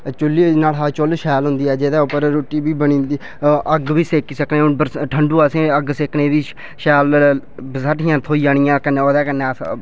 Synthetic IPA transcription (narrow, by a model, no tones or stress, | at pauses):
t͡ʃʊlːiːnaːlɦat͡ʃolʃɛːlɦʊ̃nd̪iːɛːd͡ʒeːd̪aːʊpəɾɾoːʈiːbiːbəɳ̃ĩːnd̪iː | əɡʋiːseːkiːsəkneːbəʈʰəɳɖuːasẽːəɡseːkneːʋ̪iː | ʃɛːlbəzaʈʰiːãːt̪ʰoːiːd͡ʒaːɳ̃ɪjãːkəneːoːd̪ɛːkənːeː